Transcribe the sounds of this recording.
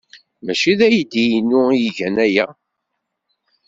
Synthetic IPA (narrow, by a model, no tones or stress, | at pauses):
mæʃiðæjid̪ijinːʊjiʝænæjæ